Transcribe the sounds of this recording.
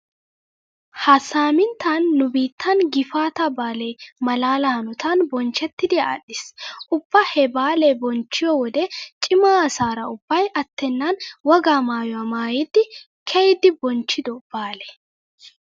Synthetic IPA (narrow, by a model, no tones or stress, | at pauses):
hɐsaːmɪnt̪aːnːʊbiːt̪ːɐnɡɪfaːt̪ɐbaːlemɐlaːlɐhɐnʊt̪anbɔnt͡ʃɛt̪ːɪd̪ɪa̰ːɗɪsʔʊb̥ːɐhɛbaːlebɔnt͡ʃːɪjɔwɔd̪ɛt͡ʃʼɪmaːɐsaːɾɐʊbːɐjʔɐt̪ːɛnːanwɐɡaːmaːjʊwɐmaːjɪd̪ːɪ | kʰɛjɪd̪ɪbɔnt͡ʃːɪd̪ɔb̥aːlɛ̥